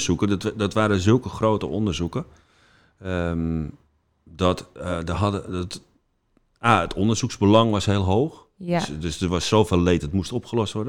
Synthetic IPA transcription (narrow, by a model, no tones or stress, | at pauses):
sukədɔtʋaːɾəzølˠkəxroːtə̰ʔondərzukə | əm | dɔtdəɦɔdəɔt | aətʰondərz̥ukzbəlɑŋʋɔsheːlˠɦoːx | sdøsdəʋɔsːoːfeːlˠletdɔtmustopxəlɔstʋɔrdə